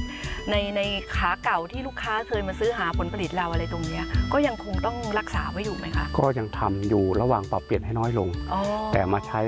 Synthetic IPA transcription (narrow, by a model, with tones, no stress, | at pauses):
na˧jna˧jkʰaː˩˥ka˨˩wt̪ʰiː˥˩luː˥˩kʰaː˦˥kʰɤː˧jmaː˧sɯː˦˥ɦaː˩˦pʰo˩˦npa˧li˨˩t̪̚la˧wʔa˧ɾa˧jt̪o˧ŋni˦˥ɐʔkɔː˥˩ja˧ŋkʰo˧ŋt̪ɔ˥˩ŋɾa˦˥k̚saː˩˦waː˦˥˩juː˨˩ma˦˥jkʰa̰˥˩kɔː˥˩ja˧ŋt̪ʰa̰˧mjuː˨˩ɾa˧waː˨˩ŋpa˨˩pːi˨˩t̪̚ɦa˥˩jnɔː˦˥˩jlo˧ŋʔɔː˧˩t̪ɛ̰ː˨˩maː˧t͡ɕʰa˦˥